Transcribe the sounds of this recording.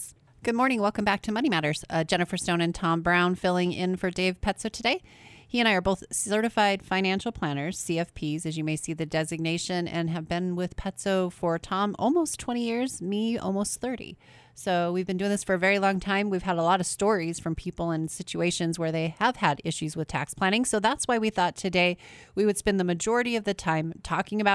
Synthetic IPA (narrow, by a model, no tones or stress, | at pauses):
ɡ̥ʊd̚mɔɹñɪ̃ŋwɛlˠkɨ̃mbæk̚tʰɨmʌɾ̃imæɾə˞z̥ʌd͡ʒɛñɨfə˞stõʊ̃nɨ̃ntʰɑ̃mbɹãʊ̃nfɪlˠɪ̃ŋɪ̃nfə˞deɪv̥pʰɛtsoʊɾʰɨdeɪhiɨ̃ɾaɪə˞boʊθsɜ˞ɾɨfaɪd̥fãɪ̃ñæ̃nʃl̩ˠpʰl̥æ̃nə˞z̥siɛfpʰizɨzjɨmeɪsiðɨdɛzɨɡ̚neɪʃɨ̃nɨ̰̃nɨvbɪ̃nwɪð̥pʰɛtsoʊfə˞tʰɑ̃mʔɔ̰lˠmoʊstʰw̥ɛ̃ɾ̃ijɪɹzmiɔ̰lˠmoʊst̪θɜ˞ɾḭ | soʊwivbɨ̃ndʉɪ̃ŋðɪsfə˞ɨvɛɹilɔ̃ŋtʰãɪ̃mwiv̥əɾəlɔɾʌv̥stɔɹiz̥fɹʌ̃mpʰipl̩ˠə̃nsɪt͡ʃʉeɪʃɨ̃nzwə˞ðeɪəv̥əɾɪʃʉzwɨð̥tʰæ̰kspʰl̥æ̃ɾ̃ɪ̃ŋsoʊðætswaɪwiθɔtʰɨdeɪwiwɨd̥spɛ̃nðəmɨd͡ʒɔɹɨɾiʌvðɨtʰãɪ̃mtʰɔkɪ̃ŋɨbaʊ